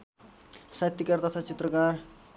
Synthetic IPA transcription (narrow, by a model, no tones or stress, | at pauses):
sat̪ːikart̪ʌt̪ʰat͡sit̪rʌkar